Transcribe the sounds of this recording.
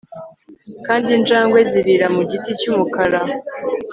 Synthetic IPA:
kaːndind͡ʒaːŋɡwe̞ziɾiɾamuɟiticumukaɾa

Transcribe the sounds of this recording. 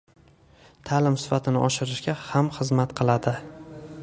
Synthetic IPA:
t̪ʰalɪmsɪ̥fat̪ʰɪnɪ̰ʔɒʃɪɾɪʃɡʲahamχɨzmat̪qʰɨlˠad̪ɪ

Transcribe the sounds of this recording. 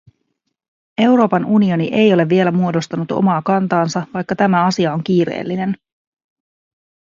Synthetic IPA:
e̞wɾo̞ːpɑnunio̞niʔe̞jo̞le̞vːie̞læmuo̞do̞st̪ɑnut̪o̞̰mɑːkɑnt̪ɑːnsɑʋɑjkːɑt̪æmæɑsiɑo̞ŋk̟iːɾe̞̰ːlːine̞n

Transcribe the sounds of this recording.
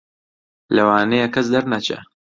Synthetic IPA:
lɐwaːnejakːɐs̬d̪ɐɾnɐt͡ʃɐ̰

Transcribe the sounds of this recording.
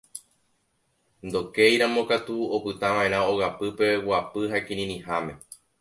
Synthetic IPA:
nd̪o̞kejɾãmõ̞kat̪uopɨt̪ãʋãʔẽɾ̃ão̞ɣapɨpe̞wapɨɦakĩɾĩɾĩhamẽ̞

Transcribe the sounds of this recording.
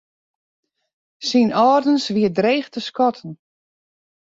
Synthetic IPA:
sinɔːrdənsʋiədreːxtəskɔtʰən̩

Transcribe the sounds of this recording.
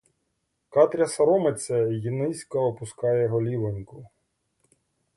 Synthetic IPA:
kɑt̪ɾʲɐsɐɾɔmet͡s̪ʲɛjinɪsʲkɐɔpʊskɑjɛɦɔlʲiʋenʲkʊ

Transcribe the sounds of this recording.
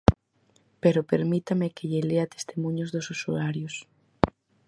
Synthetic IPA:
peɾʊpeɾmit̪amɪkeʎɪleat̪e̥st̪emũɲozðʊsusuaɾjos

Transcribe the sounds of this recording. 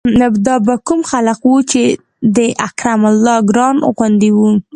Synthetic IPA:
nabd̪ɑbakumxaləqwut͡ʃe | d̪əʔakɾamalːɑɡɾɑnɣwand̪iwu

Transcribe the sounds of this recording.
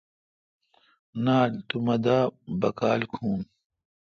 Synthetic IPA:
naːlt̪umɐd̪aːbɐkaːlkʰuːn

